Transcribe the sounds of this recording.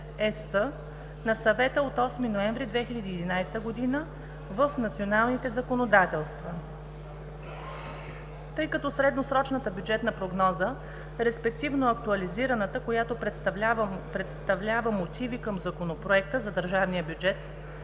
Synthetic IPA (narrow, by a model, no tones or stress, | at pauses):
ɛsə | nɐsɐvɛt̪əot̪ɔsminoɛ̃ɱvɾid̪vɛxilʲəd̪iːd̪inajst̪əɡod̪inə | vəfnɐt̪sionalˠnit̪ɛzɐkonod̪at̪ɛlˠst̪vɐ | t̪ɤjkɐt̪ɔsɾɛd̪nosɾɔt͡ʃnət̪əbʲjud͡ʒɛt̪nɐpɾoɡnɔzə | ɾɛspɛk̚t̪ivnoɐk̚t̪uɐliziɾɐnət̪əkojat̪opɾspɾɛt̪st̪ɐvlʲavəmot̪ʰivikəmzɐkonopɾoɛk̚t̪əzɐd̪əɾʒavnijəbʲjud͡ʒɛt̪